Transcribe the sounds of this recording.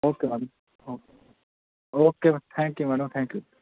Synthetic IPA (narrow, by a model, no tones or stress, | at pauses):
oːkemɛɽm | oe | oːket̪ʰɛ̃ːŋkjumɛɽəmt̪ʰɛ̃ːŋkju